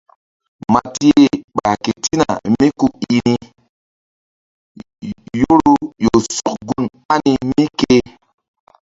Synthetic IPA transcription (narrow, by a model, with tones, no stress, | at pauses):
ma˨ti˦e˦ɓa˨ke˨ti˦na̰˨mi˦ku˦ki˨ni˦ | jo˦ɾu˦jo˨su˦kɡu˦n | a˦ni˦mi˦ke˦